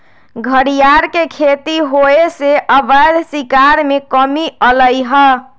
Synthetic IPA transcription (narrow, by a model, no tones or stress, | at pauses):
ɡʱəɾijaɾkekʰet̪iɦoeseʔəbəd̪sikaɾmekəmiələjɦə